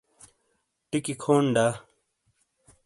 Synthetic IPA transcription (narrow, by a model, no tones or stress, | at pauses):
ʈikikʰoːɳɖa